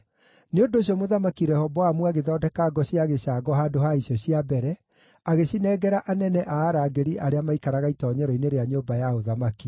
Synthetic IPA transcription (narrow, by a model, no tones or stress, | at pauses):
neondoːɕ̬iɔmoðamakiɾɛhɔbɔamwaɣeðɔːdɛkaɡɔɕiaɣeɕaːɡɔɦaːdohaiɕɔɕiabɛɾɛ | aɣeɕinɛɡɛɾaʔanɛnɛʔaːɾaːɡeɾiʔaɾeamaikaɾaɣaitɔːɲɛɾɔineɾeaɲoːmbajaoðamaki